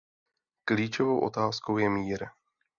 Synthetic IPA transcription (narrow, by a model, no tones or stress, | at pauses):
kliːt͡ʃovo̞wʔo̞̰t̪aːsko̞wjɛmiːɾ